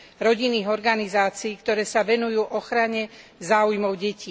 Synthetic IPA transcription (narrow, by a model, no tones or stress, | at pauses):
ɾɔɟinːiːɣɔɾɡanizaːt͡siːkt̪ɔɾɛːsaʋɛnujuːʔɔxɾaɲɛzaːujmɔʊɟɛciː